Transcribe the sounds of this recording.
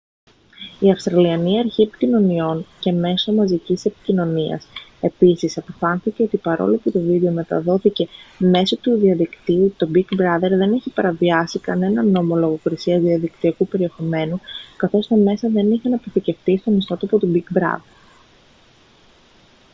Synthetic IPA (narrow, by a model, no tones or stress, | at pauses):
iɐfst̪ɾɐliɐniɐɾçie̞pi̥cino̞nio̞nce̞me̞so̞mɐzicise̞pi̥cino̞niɐ̰se̞pisisɐpo̞fɐnθice̞o̞t̪ipɐɾo̞̰loput̪o̞vid̪e̞o̞me̞t̪ɐ̰ðo̞θice̞me̞so̞t̪uðiɐðikt̪iut̪o̞bikbɾɐðe̞ɾðe̞niçipɐɾɐviɐsikɐne̞nɐno̞mo̞lo̞ɣo̞kɾisiɐzðiɐðikt̪iɐkupe̞ɾie̞xo̞me̞nukɐθo̞st̪ɐme̞sɐðe̞niçeɐnɐpo̞θice̞fθist̪o̞nist̪o̞t̪oɐpot̪ubikbɾɐ̰ðe̞ɾ